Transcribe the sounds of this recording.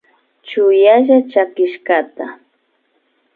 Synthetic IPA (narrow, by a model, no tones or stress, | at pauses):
t͡ʃʊjaʒat͡ʃakɪʃkat̪a